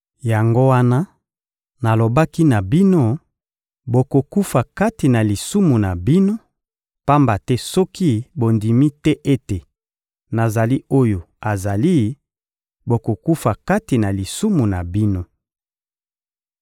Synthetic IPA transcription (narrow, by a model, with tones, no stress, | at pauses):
ja˨ŋɡo˦wa˦na˦ | na˨lo˨ba˦ki˦na˨bi˦no˦ | bo˨ko˨ku˦fa˨ka˦ti˨na˨li˨su˦mu˨na˨bi˦no˦ | pa˦mba˨tɛ˦sɔ˦ki˦bo˨ndi˨mi˦tɛ˦ʔe˦te˨ | na˨za˨li˦o˦jo˨ | a˨za˨li˦ | bo˨ko˨ku˦fa˨ka˦ti˨na˨li˨su˦mu˨na˨bi˦no˦